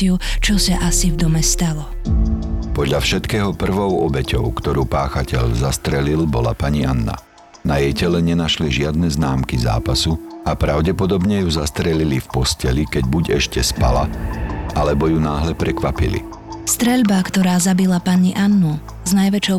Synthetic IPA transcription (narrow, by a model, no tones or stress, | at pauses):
ɪut͡ʃɔsaʔasivd̪ɔmɛst̪alɔ | pɔd̪ʎafʃɛt̪kɛːɦɔpr̩ʋɔʊɔbɛcɔʊkt̪ɔɾuːpaːxacɛʎzast̪ɾɛlilbɔla̰paɲianːa̰ | najɛjcɛlɛɲɛnaʃliʒɪad̪nɛznaːmkiza̰ːpasuapɾaʊɟɛpɔd̪ɔbɲɛjuzast̪ɾɛlilifpɔscɛlikɛɟbuɟɛʃcɛspalaʔalɛbɔjunaːɦlɛpɾɛkʋapḭlḭ | st̪ɾɛʎbakt̪ɔɾaːzabilapaɲiʔanːu | znajʋɛt͡ʃɔʊ